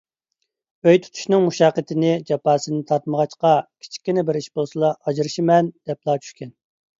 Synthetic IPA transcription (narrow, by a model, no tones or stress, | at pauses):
øjt̪ʰu̥t̪ʰu̥ʃnɨŋmuʃɑqːət̪ʰɪnɪd͡ʒɑpɑːsɨnɪt̪ʰɑɾt̪məʁɑt͡ʃqɑkʲʰi̥t͡ʃʰi̥kʲːinɪbɪɾiʃbolˠsɨlˠɑʔɑd͡ʒiɾɨʃimɛnd̪̥ɛplˠɑːt͡ʃʰy̥ʃʲkʲɛn